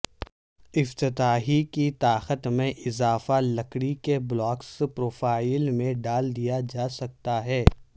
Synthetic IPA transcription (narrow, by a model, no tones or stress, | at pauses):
ɪft̪ɪt̪aːɦikit̪aːxət̪mẽʔɪzaːfalɐkɽikeblɔːkspɾoːfaːɪlmẽɖaːld̪ijad͡ʒaːsɐk̚t̪aɦɛː